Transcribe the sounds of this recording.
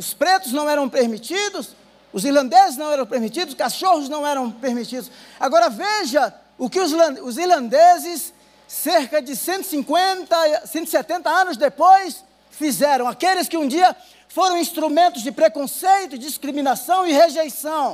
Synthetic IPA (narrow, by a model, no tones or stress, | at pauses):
ʊspɾet̪ʊznɐ̃w̃ɛɾɐ̃w̃peɾmit͡ʃid̪ʊs | ʊziɾlɐ̃nd̪ezɪznɐ̃w̃ɛɾɐ̃w̃peɾmit͡ʃid̪ʊskaʃohʊznɐ̃w̃ɛɾɐ̃w̃peɾmit͡ʃid̪ʊs | aɡɔɾɐveʒɐ | ʊkɪʊzlɐ̃ʊziɾlɐ̃nd̪ezɪsː | eɾkɐd͡ʒɪsẽnt̪ʊɪ̥sĩŋkwẽt̪ɐsẽnt̪ʊ̥ɪsɛt̪ẽnt̪ɐɐ̃nʊzd̪epojs | fizɛɾɐ̃w̃akelɪskɪũd͡ʒiɐ | foɾɐ̃w̃ĩst̪ɾumẽnt̪ʊzd͡ʒɪpɾekõsejt̪ʊd͡ʒiskɾimĩnasɐ̃w̃ɪheʒejsɐ̃w̃